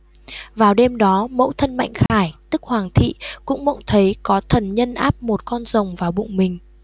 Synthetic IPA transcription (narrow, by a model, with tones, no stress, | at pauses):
vaː˨˩wɗe˧mɗɔ˨˦mə̰˧˥wt̪ʰə˧nma̰˧˨jŋ̟xaː˧˩jt̪ɨ˦˥k̚hwaː˨˩ŋt̪ʰḭ˧˨kʊ̰˧˥ŋ͡mɓə̰˧˨wŋ͡mt̪ʰə˨˦jkɔ˨˦t̪ʰə˨˩nɲə˧nʔaː˦˥p̚mo˨˩t̚kɔ˧nzə˨˩wŋ͡mvaː˨˩wɓʊ̰˧˨ŋ͡mmï˨˩ŋ̟